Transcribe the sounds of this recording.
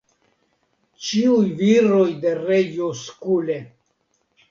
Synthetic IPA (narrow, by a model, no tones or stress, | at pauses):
t͡ʃiujviɾojd̪erejoskule